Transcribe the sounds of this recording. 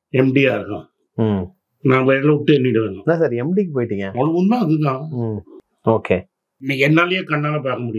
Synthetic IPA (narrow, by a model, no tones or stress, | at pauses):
ɛmɖijaːɪɾɯkːã̰ː | nãːʋɛːɾɐlɐʊʈːɯɛnːɪɽɯʋeːɳɖõnaːsɐɾiɛmɖikːɯpoːjɪʈːiːŋɡɐ̃mɔlɐʋund̪ãːɐðɯkãː | oːkʰeː | nĩːɛnːaːlɐjeːkɐɳːaːlɐpaːkɐmʊɽɪj